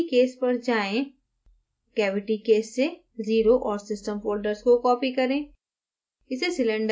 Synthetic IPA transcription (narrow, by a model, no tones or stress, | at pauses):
keːspɐɾd͡ʒaːẽ | kɛːʋɪʈikeːsːe | ziːɾoʔɔːɾsɪsʈə̃mboːɾɖəɾzkokɔːpikɐɾẽː | ɪsesɪlə̃ɳɖ